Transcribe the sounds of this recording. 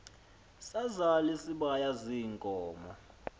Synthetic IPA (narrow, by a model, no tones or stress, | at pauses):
sazalisiɓajaziŋkʼɔːmɔ